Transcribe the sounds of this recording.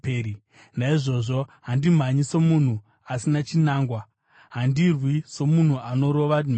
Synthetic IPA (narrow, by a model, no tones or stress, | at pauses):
eɾi | naiʐo̞ʐo̞ɦandim̤aɲisomun̤u | asinat͡ʃinaːŋɡwa | ɦandirwiso̞mun̤uano̞ɾo̞ʋam